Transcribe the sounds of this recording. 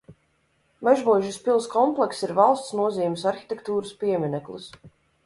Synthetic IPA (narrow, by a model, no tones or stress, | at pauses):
maʒmuɔʒispilˠskɔmplˠɛksiɾvalˠst̪snuɔziːmisaɾxi̥t̪ɛkt̪uːɾɨspiɛmʲinɛklˠṵs